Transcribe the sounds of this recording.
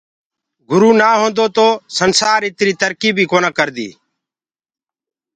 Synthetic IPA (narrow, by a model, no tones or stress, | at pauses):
ɡʊɾuːnaːɦõːnd̪oːt̪oːsənsaːɾɪt̪ɾiːt̪əɾkiːbʱiːkoːnaːkəɾd̪ḭː